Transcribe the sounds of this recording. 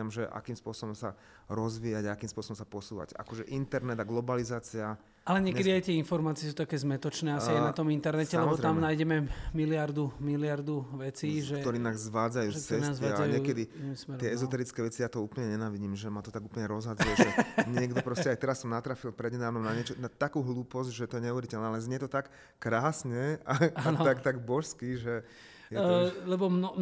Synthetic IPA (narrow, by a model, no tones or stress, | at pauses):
amʒɛʔa̰kiːmspʊɔsɔbɔmsa | ɾɔzʋiːjaɟaakiːmspʊɔsɔbɔmsapɔsuːʋa̰ɟa̰kɔʒɛʔint̪ɛɾnɛd̪aɡlɔbalizaːt͡sia | alɛɲɪɛɲkɛd̪iajt̪ɪɛinfɔɾmaːt͡siɛs̬uːt̪akɛːzmɛt̪ɔt͡ʃnɛːasiajnat̪ɔmint̪ɛɾnɛcɛlɛmɔbɔt̪ɾamnaːjɟɛmɛmilɪaɾd̪umilɪaɾd̪uʋɛt͡siːʒɛɔɾiːnazzʋaːd͡zajuːt͡sɛnazalɛjɲɪɛkɛd̪inimsmɛɾɪɛɛzɔt̪ɛɾit͡skɛːʋɛt͡sijaːt̪ɔuːpl̩ɲɛɲɛnaːʋiɟiːmʒɛmat̪ɔt̪aɡuːplɲɛɾɔzɦad͡zujɛɛɲɪɛɡd̪ɔpɾɔscɛajt̪ɛɾasːɔmnat̪ɾafilpɾɛdɲɛd̪aːʋnɔmnaɲɪɛt͡ʃɔnat̪akuːɦluːpɔzɟʒɛt̪ɔjɛɲɛuʋɛɾicɛlnɛalɛzɲɛt̪ɔt̪akː | ɾaːsɲɛaaant̪akt̪aɡbɔʃskiʒɛ | jɛlɛbɔmnɔ